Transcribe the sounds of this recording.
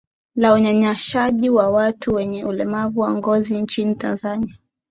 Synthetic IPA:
lauɲaɲaʃaʄiwawatʰuwɛɲɛʔulɛmavuwaŋɡɔzint͡ʃinitanzania

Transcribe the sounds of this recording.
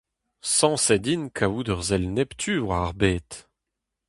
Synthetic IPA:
sɑ̃sɛd̪inkʰaud̪œʁzɛlnɛpt̪ʰyːvwaʁbeːt̪

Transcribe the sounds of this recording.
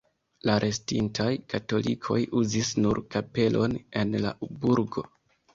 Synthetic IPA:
laɾʔe̞stintʰajkato̞lḭkʰo̞̰juzisnuɾkape̞lʔo̞ne̞nla̰ubuɾɡo̞̰

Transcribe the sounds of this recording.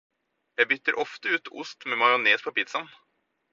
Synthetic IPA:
jæɪbʏt̪ːəɾʔɔft̪əʉːt̪ʰʊst̪memɑjʊneːspʰɔpɪt̪sɑn

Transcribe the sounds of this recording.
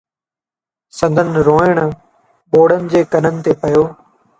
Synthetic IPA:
sɐ̃nd̪ʱənɾoːɪɽ̃ | ɓoːɽənɪ̆d͡ʑeːkɐnənɪ̆t̪eːpɐjoː

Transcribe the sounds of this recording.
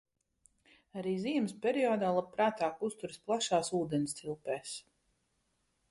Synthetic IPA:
aɾiːziɛmspʲɛɾiɔːd̪aːlˠappːɾaːt̪aːkust̪uɾisplˠaʃaːsuːd̪ɛnst̪ilˠpɛːs

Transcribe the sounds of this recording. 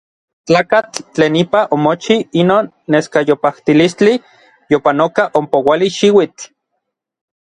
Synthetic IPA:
t͡ɬaːkat͡ɬːt͡ɬeːnipaʔomot͡ʃiinoːnːeskajopaht̪ilist͡ɬi | jopanokaʔompowaliʃiwit͡ɬ

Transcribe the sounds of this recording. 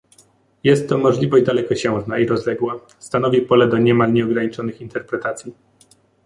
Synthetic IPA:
jɛst̪ːɔmɔʐlʲivɔʑd̪alɛkɔɕɛ̃w̃znaiɾɔzlɛɡwa | st̪anɔvʲipɔlɛd̪ɔɲɛmalɲɛɔɡɾaɲit͡ʂɔnɘxint̪ɛɾpɾɛt̪at̪sʲji

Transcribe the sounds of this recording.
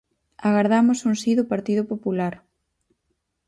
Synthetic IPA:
aɣaɾðamʊsuŋsiðʊpaɾt̪iðʊpopulaɾ

